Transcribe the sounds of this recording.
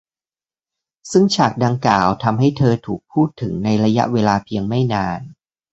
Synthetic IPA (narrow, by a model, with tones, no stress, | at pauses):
sɯ˥˩ŋt͡ɕʰaː˨˩k̚da˧ŋklaː˨˩wt̪ʰa˧mɦa˥˩jt̪ʰɤː˧t̪ʰuː˨˩k̚pʰuː˥˩t̪ʰːɯ˩˦ŋna˧jɾa˧ja̰˦˥ʔweː˧laː˧pʰi˧əŋma˥˩jnaː˧n